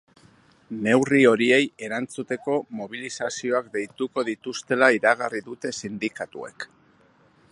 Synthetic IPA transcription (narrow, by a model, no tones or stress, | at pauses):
ne̞wrio̞ɾie̞je̞ɾant͡sut̪e̞ko̞mo̞β̞ilisasio̞akd̪e̞jt̪uko̞ðit̪ust̪e̞laiɾaɣariðut̪e̞sind̪ikat̪ṵe̞̰k